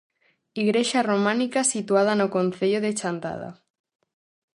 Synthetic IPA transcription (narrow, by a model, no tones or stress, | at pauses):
iɣɾeʃaromãnikasit̪uað̞anokon̟θeʎoðet͡ʃant̪a̰ð̞a̰